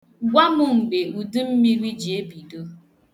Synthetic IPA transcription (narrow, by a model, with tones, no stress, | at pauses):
ɡʷa˦mʊ˦ŋ͡m̩˨ɡ͡be˨u˨du˦m̩˦mi˦ɾi˦d͡ʒi˨e˦bi˨do˦